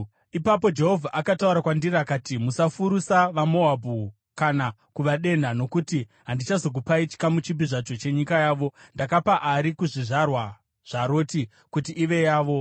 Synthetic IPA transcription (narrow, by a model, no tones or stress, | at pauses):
ipapo̞d͡ʒe̞ɦo̞vʱaʔakatauɾakwandirakaːtimusafuɾusaʋamo̞ɦabʱu | kana | kuʋaɗe̞nano̞kutiɦandit͡ʃazo̞k̬upait͡ʃi̥kamut͡ʃibiʐat͡ʃo̞t͡ʃe̞ɲikajaːʋo̞ndakapaʔaɾikuʐiʐarwa | ʐ̥aɾo̞ːti | kutiʔːʋe̞jaːʋo̞